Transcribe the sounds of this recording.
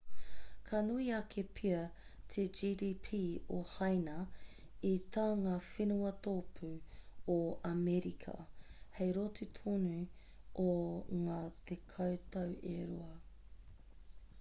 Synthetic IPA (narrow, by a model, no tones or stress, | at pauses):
kʰanuiɐkʰepʰiɐ | t̪ʰed͡ʒiːdiːpʰiːohajnɐ | it̪aːŋaːfinuɐt̪oːpʰʉoɐmɛɾikʰɐ̰hejɾotut̪ʰoːnu | ʔoŋaːt̪ʰekʰɐwt̪ɐweɾuɐ